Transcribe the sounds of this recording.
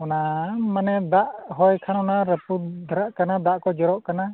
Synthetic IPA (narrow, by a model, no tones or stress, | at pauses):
ɔnamanɛd̪aʔɦɔjkʰanɔnaɾəpud̪ʱaɾaʔkanad̪aʔkɔd͡ʒɔɾɔʔkana